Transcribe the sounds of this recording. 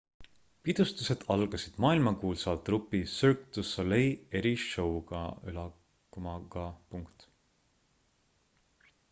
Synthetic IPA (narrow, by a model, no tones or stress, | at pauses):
pid̪̥ust̪use̞d̪̥ɑlɡ̥ɑsid̪̥mɑːilmɑkuːlsɑlt̪ːˑrupːisurkt̪usoleje̞ɾiʃo̞wɡ̥ɑylɑ | kːumɑɡɑpuŋkt̪